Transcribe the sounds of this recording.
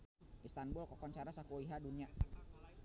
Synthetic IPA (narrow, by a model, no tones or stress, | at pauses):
ʔist̪anbulkɔkɔnt͡ʃaɾasakuiɦadunia